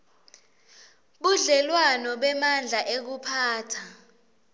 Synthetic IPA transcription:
ɓuɮɛlwanɔɓɛmand͡ɮʱaʔek̬upʰaːtʰa

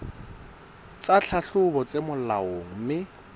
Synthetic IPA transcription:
t͡sat͡ɬʰaɬʊbɔt͡semʊllaoŋ̩mɪ

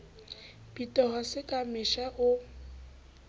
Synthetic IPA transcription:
b̥itʼɔhɔsɪkʼamɪʃaʔʊ

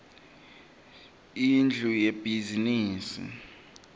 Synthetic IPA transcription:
ind͡ɮʱujeb̥ʱiziniːsḭ

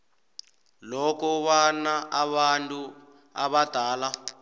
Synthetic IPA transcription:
lɔkɔwanaʔaβantʼu | aβad̥ʱaːla

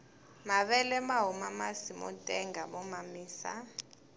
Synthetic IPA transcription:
maβɛlɛmaɦumamasimɔ̰tʼɛŋɡamɔmamiːsa̰

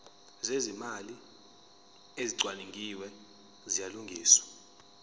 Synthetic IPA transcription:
zezimali | eziǀwaniŋɡʱiwɛ | zijaluŋɡʱiːswḁ

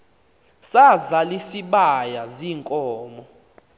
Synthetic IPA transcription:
sazalisiɓajaziːŋkʼɔːmɔ

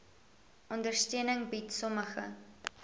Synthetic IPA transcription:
ʔɔndərstøənəŋbitsɔməχə̰

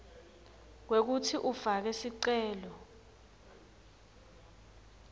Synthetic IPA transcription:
k̬wek̬utʰiʔufak̬ɛsiǀɛːlɔ

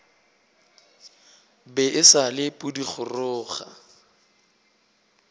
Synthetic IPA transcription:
bɛʔɪsalɪpʼʊdiχʰʊrʊːχa̰

